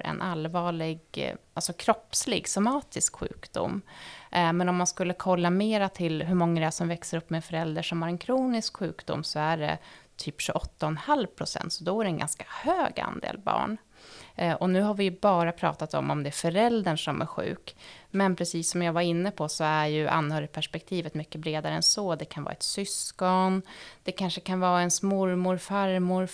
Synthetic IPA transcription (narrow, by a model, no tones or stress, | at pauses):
ɾɛ̰nʔalvɑːɭɪɡʔalsɔkʰɾɔpslɪɡsamɑːt̪ɪskɧʉ̟̰ːkd̪ʊ̰mː | mɛnɔmːanskɵlːəkʰɔlːameːɾat̪ʰɪlɦɵmɔŋːaɾɛæsɔmvɛksəɾɵpːmɛːfœɾɛld̪əʂɔmhaɾɛnkʰɾuːnɪskɧʉ̟ːkd̪ʊ̰mːsɔæɖɛ̰t̪ʰyːpɕɵʔɔt̪ːaɔnhalvpʰɾʊsɛ̰nt̪sɔd̪ɔæɾɛnɡa̰nskḁhøːɡa̰nd̪ḛːlbɑ̰ːɳ | ʔɔnʉ̟ːɦaɾvɪjbɑːɾapʰɾɑ̰ːt̪at̪ɔ̰mɔmd̪ɛæɾfœɾɛld̪əɳʂɔmʔæ̰ɾɧʉ̟ːkmɛnpʰɾɛsiːsːɔmjɑːɡvaɾɪnːəpʰɔsɔæɾjɵʔa̰nːhœːɾɪt̪̚pʰæʂpɛk̚t̪ʰiːvət̪mʏkːəbɾeːd̪aɾəɛnsɔd̪ɛkʰanvɑ̰ːɛt̪sʏskɔnd̪̥ɛkʰanʂəkʰanvɑːɛnsmʊɾmʊɾfaɾmʊɾ